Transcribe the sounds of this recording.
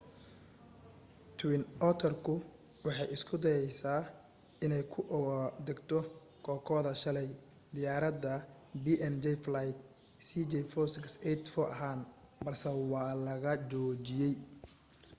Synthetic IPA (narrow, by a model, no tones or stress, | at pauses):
t̪ʰwɪnʔɔt̪ʰɔrkʰʊ | wɑħɑjɪskʰʊd̪ɐjɛjsaː | ʔɪnɛjkʰʊʔd̪ɛɡt̪ʰɔ | kʰɔːkʰɔːðɐʃɐlɛj | d̪ɪjaːɾɐd̪ɐ | biʔɛnd͡ʒɛjflajt̪ | siːd͡ʒɛjfɔsɪksɛt̪fɔʔɐɦaːnbɐrsɛwɑːlɐɣɐt͡ʃɔːt͡ʃɪjɛj